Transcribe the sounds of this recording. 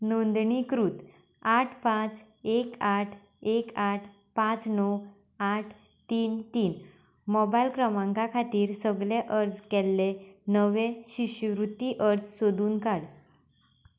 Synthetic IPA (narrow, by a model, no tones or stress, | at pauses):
nond̪ɳikɾuːt̪ | aʈʰpãt͡s | ekaʈʰ | ekaʈʰ | pãt͡snɔ | aʈʰ | t̪iːnt̪iːn | mɔbajlkɾəmãŋkakʰat̪iːɾsəɡleʔəɾd͡zkɛlːenəʋẽɕiɕʋɾut̪iʔəɾd͡zsod̪uːnkaɽ